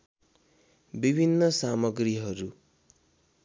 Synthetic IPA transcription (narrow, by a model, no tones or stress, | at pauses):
bibʱinːʌsamʌɡriɦʌɾu